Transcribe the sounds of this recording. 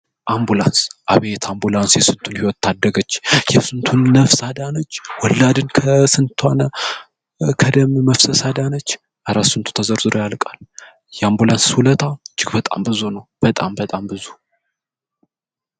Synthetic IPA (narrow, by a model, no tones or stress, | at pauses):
ʔambulansʔaβet̪ʰambulansjɛsɨnt̪ʰunhiwɔt̪ːad̪ːəɡət͡ʃːjɛsɨnt̪ʰunːəfsad̪anət͡ʃːwɔlːad̪ɨnkʰəsɨnt̪ʰanə | kʰəd̪əmməfsəsad̪anət͡ʃː | ʔaɾasːɨnt̪ʰu̥t̪ʰəzəɾzɨɾojalkʼal | jɛambulanshulət̪ʰad͡ʒɪɡbət̪ʼa̰mbɨzunəwb̥ət̪ʼambət̪ʼambɨzu